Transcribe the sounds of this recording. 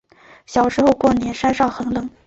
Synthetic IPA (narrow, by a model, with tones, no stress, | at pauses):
ɕjɑ˨˩ʊʂɻ̩˧˥xo˥˧ʊkwɔ˥˩njɛ˧˥nʂa˥nʂɑ˥˩ʊxɤ˧˥ŋlɤ˨˩˦ŋ